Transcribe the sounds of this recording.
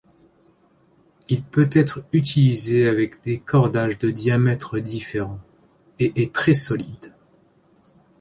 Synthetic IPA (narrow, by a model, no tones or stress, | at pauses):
ilpøt̪ɛt̪χyt̪ʰilizeavɛkd̪ekʰɔʁd̪aʒd̪əd̪jamɛt̪χəd̪ifeʁɑ̃ | eʔɛt̪χɛsɔlid̪